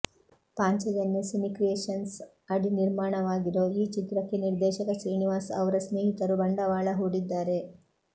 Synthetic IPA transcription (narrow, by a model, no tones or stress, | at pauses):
paːɲt͡ʃɐd͡ʒɐnːusimikɾeːʃɐns | ɐɽiniɾmaːɳɐʋaːɡiɾoːiːt͡ʃit̪ɾɐkːeniɾd̪ɛːʃɐkɐsɾiːniʋaːsɐ̰ʋɐɾɐsneːɦit̪ɐɾubɐɳɖɐʋaːɭɐɦuːɽid̪ːaːɾe̞